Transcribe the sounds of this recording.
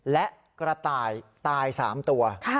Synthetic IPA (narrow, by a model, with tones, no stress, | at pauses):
lɛ˦˥ʔ | kɾa˧t̪aː˧jt̪aː˧jsa̰ː˩˦mt̪u˧ɐkʰ